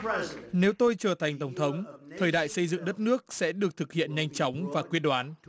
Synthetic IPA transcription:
ne˨˦wt̪o˧jt͡ɕəː˨˩t̪ʰa˨˩jŋ̟t̪ə˧˩wŋ͡mt̪ʰə˨˦wŋ͡mt̪ʰəː˨˩jɗa̰ː˧˨jsə˧jzɨ̰˧˨ŋɗə˦˥t̚nɨ˦˥ək̚sɛ̰˧˥ɗɨ˨˩ək̚t̪ʰɨ˨˩k̚hḭ˧˨ənɲa˧jŋ̟t͡ɕɔ˨˦wŋ͡mvaː˨˩kwi˦˥ət̚ɗwaː˨˦n

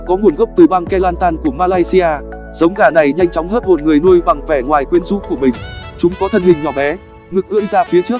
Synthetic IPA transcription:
kɔ˨˦ŋu˨˩nɣə˦˥wk͡p̚t̪ɨ˨˩ɓaː˧ŋkɛ˧laː˧nt̪aː˧nku˧˩əmaː˧laː˧jsi˧ʔaː˧ | z̥ə˨˦wŋ͡mɣaː˧˩na˨˩jɲa˧jŋ̟t͡ɕɔ˨˦wŋ͡mɦəː˦˥t̚mo˨˩t̚ŋɨ˨˩əjnu˧jva˨˩ŋvɛ˧˩ŋwaː˨˩jkwi˧ənzṵ˧˥ku˧˩əmï˨˩ŋ̟t͡ɕʊ˨˦ŋ͡mkɔ˨˦t̪ʰə˧nhï˨˩ŋɲɔ˧˩ɓɛ˨˦ | ŋɨ˨˩k̚ʔɨ̰˧˥əŋzaː˧fi˨˦ət͡ɕɨ˦˥ək̚

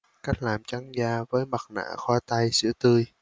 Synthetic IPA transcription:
ka˦˥jk̟̚laː˨˩mt͡ɕa˨˦ŋzaː˧vəː˨˦jma˨˩t̚na̰ː˧˨xwaː˧t̪a˧jsɨ̰˧˥ət̪ɨ˧əj

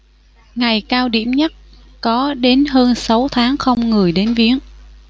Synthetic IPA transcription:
ŋa˨˩jkaː˧wɗḭ˧˩˨əmɲə˦˥t̚ | kɔ˨˦ɗe˨˦nɦəː˧nsa˨˦wt̪ʰaː˨˦ŋxə˧wŋ͡mŋɨ˨˩əjɗe˨˦nvi˨˦˥əŋ

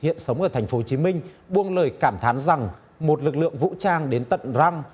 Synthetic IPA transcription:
ḭ˧˨ənsə˨˦wŋ͡mʔəː˧˩t̪ʰjŋ̟fo˨˦t͡ɕi˨˦mï˧ŋ̟ɓu˧əŋləː˨˩jkaː˧˩mt̪ʰaː˨˦nza˨˩ŋ | mo˨˩t̚lɨ˨˩k̚lɨ̰˧˨əŋvṵ˧˥t͡ɕaː˧ŋɗe˨˦nt̪ə̰˧˨nza˧wŋ͡m

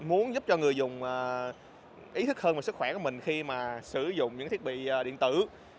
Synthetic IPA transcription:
mu˨˦ənzʊ˦˥p̚t͡ɕɔ˧ŋɨ˨˩əjzʊ˨˩ŋ͡mʔəː˨˩ | ʔi˨˦t̪ʰɨ˦˥k̚həː˧nva˨˩sɨ˦˥k̚xwɛː˧˩ku˧˩əmï˨˩ŋ̟xi˧maː˨˩sɨ˧˩zʊ̰˧˨ŋ͡mɲɨ̰˧˥˧t̪ʰi˦˥k̚ɓḭː˧˨˩ɗḭ˧˨ənt̪ɨ˧˩

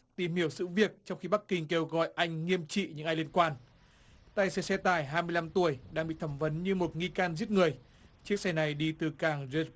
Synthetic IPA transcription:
t̪i˨˩mhi˧˩əwsɨ̰˧˥vi˨˩ək̚t͡ɕɔ˧wŋ͡mxi˧ɓa˦˥k̚ːï˧ŋ̟ke˧wɣɔ̰˧˨jʔa˧jŋ̟ŋi˧əmt͡ɕḭ˧˨ɲɨ̰˧˥ŋʔaː˧jli˧ənkwaː˧n | t̪a̰ː˧˨jsɛ˧sɛ˧t̪aː˧˩jɦaː˧jmɨ˧əjla˧mt̪u˧˩əjɗa̰ː˧˥ŋɓḭ˧˨t̪ʰə˧˩mvə˨˦nɲɨ˧mo˨˩t̚ŋi˧kaː˧nzi˦˥ət̚ŋɨ˨˩əj | t͡ɕək̚sɛ˧na˨˩jɗi˧t̪ɨ˨˩kaː˨˩ŋze˧

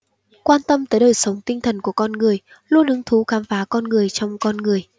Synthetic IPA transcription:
kwaː˧nt̪ə˧mt̪əː˨˦jɗəː˨˩jsə˨˦wŋ͡mt̪ï˧ŋ̟t̪ʰə˨˩nku˧˩əkɔ˧nŋɨ˨˩əj | lu˧ənʔɨ˨˦ŋt̪ʰu˨˦kaː˨˦mfaː˨˦kɔ˧nŋɨ˨˩əjt͡ɕɔ˧wŋ͡mkɔ˧nŋɨ˨˩əj

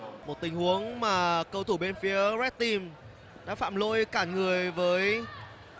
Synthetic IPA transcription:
mo˨˩t̚t̪ï˨˩ŋ̟hu˨˦əŋmaː˨˩kə˧wt̪ʰu˧˩ɓe˧nfi˨˦əzɛ˦˥t̚t̪i˨˩m | ɗa̰ː˧˥fa̰ː˧˨mlo̰˧˨jkaː˧˩ŋɨ˨˩əjvəː˨˦j

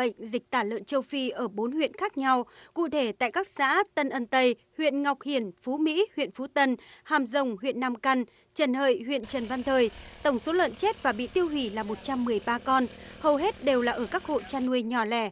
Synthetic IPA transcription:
ə̰˧˨jŋ̟zi˨˩k̟̚t̪aː˧˩lə̰˧˨nt͡ɕə˧wfi˧ʔəː˧˩ɓo˨˦nhwḭ˧˨ənxaː˦˥k̚ɲa˧wkṵ˧˨t̪ʰe˧˩t̪a̰ː˧˨jkaː˦˥k̚sa̰ː˧˥t̪ə˧nʔə˧nt̪ə˧j | hwḭ˧˨ənŋa˨˩wk͡p̚hi˨˩ənfu˨˦mḭ˧˥hwḭ˧˨ənfu˨˦t̪ə˧nhaː˨˧˩mzə˨˧˩wŋ͡mhwḭ˧˨ənːaː˧mka˧ŋ̟ | t͡ɕə˨˩nhə̰ː˧˨jhwḭ˧˨ənt͡ɕə˨˩nva˧nt̪ʰəː˨˩jt̪ə˧˩wŋ͡mso˨˦lə̰˧˨nt͡ɕe˦˥t̚vaː˨˩ɓḭ˧˨t̪i˧əwhwi˧˩laː˨˩mo˨˩t̚t͡ɕa˧mːɨ˨˩əjɓaː˧kɔ˧n | hə˨˩wɦe˦˥t̚ɗe˨˩wlaː˨˩ʔəː˧˩kaː˦˥k̚ho̰˧˨t͡ɕaː˧nːu˧əjɲɔ˨˩lɛ˧˩

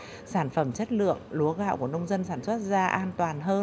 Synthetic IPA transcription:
saː˧˩nfə˧˩mt͡ɕə˦˥t̚lɨ̰˧˨əŋlu˨˦əɣa̰ː˧˨wku˧˩ənə˧wŋ͡mzə˧nsaː˧˩nswə˦˥t̚zaː˧ʔaː˧nt̪waː˨˩nɦəː˧

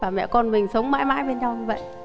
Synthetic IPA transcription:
vaː˨˩mɛ̰˧˨kɔ˧nmï˨˩ŋ̟sə˨˦wŋ͡mma̰ː˧˥jma̰ː˧˥jɓe˧nɲa˧wɲɨ˧və̰˧˨j

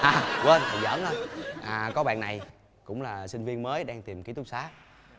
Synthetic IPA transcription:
ʔaː˨˩wə˧nt̪ʰa˨˩zə̰ː˧˥nhə˧jʔaː˨˩kɔ˨˦ɓa̰ː˧˨nːa˨˩j | kʊ̰˧˥ŋ͡mlaː˨˩sï˧ŋ̟vi˧ənməː˨˦jɗaː˧ŋt̪i˨˩mki˨˦t̪ʰʊ˦˥k͡p̚saː˨˦

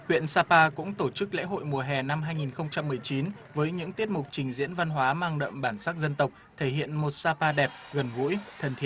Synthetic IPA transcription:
hwḭ˧˨ənsaː˧paː˧kʊ̰˧˥ŋ͡mt̪o˧˩t͡ɕɨ˦˥k̚lḛ˧˥ɦo̰˧˨jmu˨˩əɦɛ˨˩na˧mɦaː˧jŋi˨˩nxə˧wŋ͡mt͡ɕa˧mːɨ˨˩əjt͡ɕi˨˦n | vəː˨˦jɲɨ̰˧˥ŋt̪i˦˥ət̚mʊ˨˩k͡p̚t͡ɕï˨˩ŋ̟zḭ˧˥ənva˧nɦwaː˨˦maː˧ŋɗə̰˧˨mɓaː˧˩nsaː˦˥k̚zə˧nt̪ə˨˩wk͡p̚t̪ʰe˧˩hḭ˧˨ənmo˨˩t̚saː˧paː˧ɗɛ˨˩p̚ɣə˨˩nɣṵ˧˥jt̪ʰə˨˩nt̪ʰi˧˩˨

